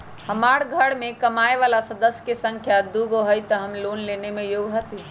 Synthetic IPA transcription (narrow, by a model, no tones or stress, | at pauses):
həmaːɾɡʱəɽmẽkəmaːeʋaːlasəd̪əsjəkesə̃ŋkʰjad̪uɡoɦəjt̪ɔɦəmloːnleːnemẽjoːɡɦət̪i